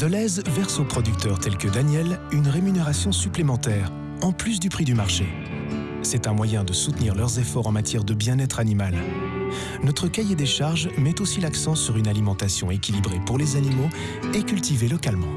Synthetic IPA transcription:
d̪əlɛzvɛʁsopχɔd̪yk̚t̪œʁt̪ɛlkəd̪anjɛlynʁemyneʁasjɔ̃syplemɑ̃t̪ɛːʁ | ɑ̃plys̬d̪ypχid̪ymaʁʃe | sɛt̪ɛ̃mwajɛ̃d̪əsut̪niʁlœʁzefɔʁɑ̃mat̪jɛʁd̪əbjɛ̃nɛt̪χanimal | nɔt̪χəkajed̪eʃaʁʒmɛt̪osilaksɑ̃syʁynalimɑ̃t̪asjɔ̰̃ekʲilibʁepuʁlezanimo | ekʲylt̪ivelɔkalmɑ̰̃

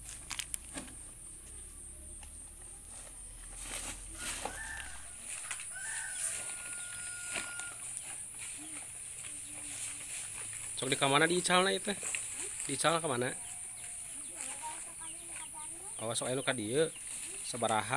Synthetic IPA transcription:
t͡ʃɔk̚dikamanadiːt͡ʃalnait̪ɛdiːt͡ʃalnakamana | ʔɔsɔkainukadiəsəbaɾaɦa

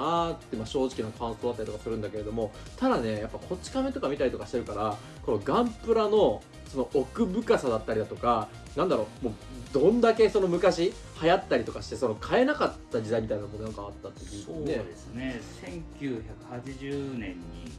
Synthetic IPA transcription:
at̪ːeimaɕo̞ːʑikʲinokʰãɯ̃nt̪od̪at̪ːaɾʲitokasɨɾɯ̟̃nd̪ake̞ɾe̞d̪o̞mo̞ | t̪ad̪ane̞japːakʰo̞t͡ɕi̥kame̞t̪o̞kamʲit̪aɾʲit̪o̞kaɕit̪e̞ɾɯ̟kaɾa | ko̞no̞ɡãmpɯ̟ɾano̞ | so̞no̞ːkɯ̟bɯ̟kasad̪at̪ːaɾʲid̪at̪o̞ka | nãnd̪aɾo̞mo̞ː | d̪õ̞nd̪ake̞so̞no̞mɯ̟kaɕi | hajat̪ːaɾʲit̪o̞kaɕi̥t̪e̞so̞no̞kʰae̞nakat̪ːad͡ʑid̪aimʲit̪ainanomonãŋkaːt̪ːat̪ːeoned̪esnesẽŋkʲɨːçakɯ̟̥hat͡ɕiʑɨːnẽ̞ɲ̟ːi

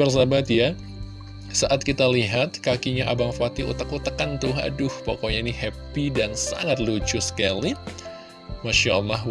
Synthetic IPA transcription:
ərsabat̪ja | saʔat̪̚kit̪aliɦat̪̚kakiɲaʔabaŋfat̪iʔṵt̪akut̪əkant̪ʊɦa̰dʊhpokoɲainihɛpidansa̰ŋat̪̚lut͡ʃʊsə̥kali | maʃaəlːaɦ

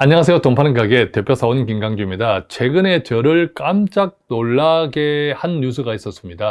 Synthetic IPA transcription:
aɲːʌŋas̬ʰe̞jotompʰanɯnɡaɡe̞te̞pʰjosʰaonkiŋɡaŋd͡ʑumɲidat͡ɕʰwe̞ɡɯne̞t͡ɕʌɾɯɭk͈amt͡ɕ͈ak̚noɭːaɡehanːus̬ʰɯɡais͈ʌs͈ɯmɲida

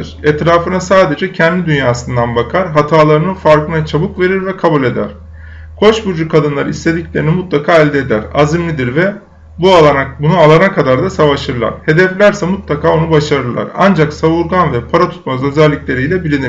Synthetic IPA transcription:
ɯɾ̥ɛt̪ɾaːfɯnasaːd̪e̞d͡ʒɛcʰɛnd̪ʲid̪ynjaːsɯnd̪anbakʰaɾɦat̪ʰaːlˠaɾɯnɯfaɾkɯnat͡ʃʰabɯkve̞ɾiɾvɛkʰabulʲe̞d̪æ̰ɾ̥ | kʰo̞ʃbuɾd͡ʒukʰad̪ɯnlˠaɾɯist̪ʰe̞d̪iclʲe̞ɾinimut̪lˠakʰaːɛlʲd̪ɛːd̪æɾa̰zimlʲid̪iɾvɛ | buabunualˠanakʰad̪aɾd̪asavaʃɯɾlˠa̰ɾ̥he̞d̪ɛflʲæɾsɛmut̪lˠakʰaːonubaʃaɾɯɾlˠa̰ɾa̰nd͡ʒaksavuɾɡanvɛpʰaɾat̪ʰu̥t̪̚mazø̞zɛlʲːicʲlʲe̞ɾijlʲɛbilʲini

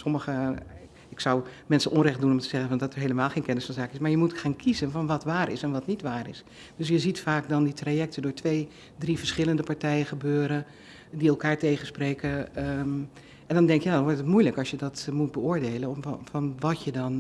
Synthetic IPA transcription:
sɔməɣə | ɪksɔwmɛnsənʔɔnrɛχtdunɔmtəz̥ɛɣənvɔndɔtəɹɦeləmaːlˠxeːnkɛnɪsfɔnzaːkɪsmaːɹjəmutxaːnkʰizənfɔnʋɔtʋaːrɪsɛnʋɔtnitʋaːɾɪ̰s | d̥øs̬jəzitfaːkdɔnditrajɛk̚tʰədʊːɹtʋej | drivəɹsχɪləndəpaɹtɛjəχəbøːɾə | diɛlˠkaːɹtejxənspreːkə | ɛndɔndɛŋkjaːdɔnʋɔɹtətmujləkɑsjədɔtmut̚bəʊːɹdeːlənɔfɔnʋɔtjədɔn

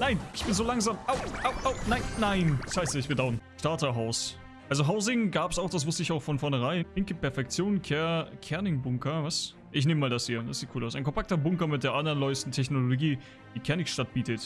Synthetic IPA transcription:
naɪnɪçb̥ɪnzoːlaŋzaːmʔaʊaʊʔaʊnaɪnːaɪnɪçhaɪsɪçb̥ɪdaʊənʃtaɐtɐɦaʊs | ʔalzoɦaʊzɪŋɡaːpsaʊxd̥asvʊstəɪçaʊxfɔnfɔɐnəʁ̞aɪnlɪŋkəpʰɛɐfɛk̚t͡sjoːnkʰɛkʰɛɐnɪŋbʊŋkɐvas | ʔɪç̬neːməmaːldashiːɐd̥asz̥iːt̚kʰuːlaʊsʔaɪnkʰɔmpʰak̚tɐbʊŋkɐmɪt̚d̥eːɐʔandɐʁənlɔʏstn̩tʰɛçnolloɡiː | d̥iːkʰɛɐnɪkʃtat̚b̥iːtət

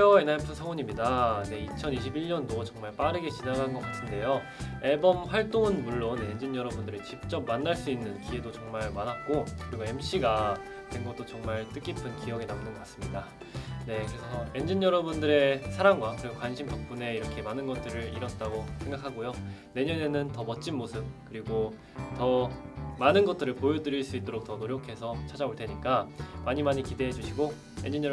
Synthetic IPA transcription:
jʌenaɭpʰɯsʰaŋoɲimɲidane̞it͡ɕʰʌniɕʰibiɭɲʌndot͡ɕʌŋmaɭp͈aɾɯɡe̞t͡ɕinaɡannŋɡʌk͈atʰɯnde̞jo | ebʌmɸwaɭt͈oŋnmuɭːone̞nd͡ʑinjʌɾʌbundɯɾit͡ɕip̚t͡ɕ͈ʌp̚mːanːaɭs͈uinːɯnkie̞dot͡ɕʌŋmaɭmanat̚k͈okɯɾiɡoe̞mɕ͈iɡa | teŋɡot͈ot͡ɕʌŋmaɭt͈ɯk͈ipʰɯnkijʌɡenamnɯnɡʌk͈ḁs͈ɯmɲida | ne̞kɯɾe̞sʰʌe̞nd͡ʑiɲjʌɾʌbundɯɾe̞sʰaɾaŋɡwakɯɾiɡokwanɕʰimpjʌk̚p͈une̞iɾʌkʰe̞manɯnɡʌt̚t͈ɯɾɯɭiɾʌt̚t͈aɡosʰe̞ŋɡakʰaɡojo | ne̞ɲʌne̞nɯntʌmʌt̚t͡ɕ͈inmosʰɯp̚kɯɾiɡo | tʌmanɯnɡʌt͈̚ɯɾɯɭpojodɯɾiɭs͈uit͈oɾok̚t͈ʌnoɾjokʰe̞sʰʌt͡ɕʰad͡ʑaboɭt͈ʰe̞ɲik͈amaɲimaɲikide̞ɦed͡ʑuɕʰiɡo | e̞nd͡ʑiɲʌ

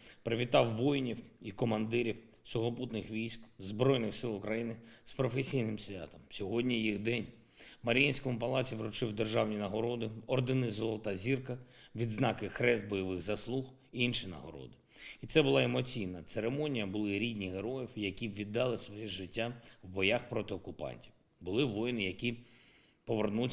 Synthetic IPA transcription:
pɾɪʋʲit̪ɑwːɔjnʲiwikɔmɐnd̪ɪɾʲiw | sʊɦɔput̪nɪxʋʲijsʲkzbɾɔjnɪxsɪlˠʊkɾɐjinɪspɾɔfesʲijnɪmsʲʋʲa̰t̪ɔmsʲɔɦɔdʲnʲijiɣd̪ɛnʲ | mɐɾʲjinʲsʲkɔmʊpɐlˠɑt͡sʲiʋɾʊt͡ʃɪwd̪erʒɑwnʲinɐɦɔɾɔd̪ɪɔrd̪ɪnɪzɔlˠɔt̪ɑzʲirkɐʋʲid̪znɑkɪxɾɛzd̪̚bɔjɐʋɪɣzɐslˠux | iinʃinɐ̰ɦɔ̰ɾɔ̰d̪ɪ | it̪sɛbʊlˠɑemɔt͡sʲijnɐt̪seɾemɔnʲijɐbʊlˠɪɾʲidʲnʲiɦeɾɔjiwjɐkʲiʋʲid̪ːɑlˠɪsʋɔjɛʒɪtʲːaʋbɔjaxpɾɔt̪ɪɔkʊpɑ̰nʲtʲiw | bʊlˠɪʋɔjnɪjɐkʲi | pɔʋernu

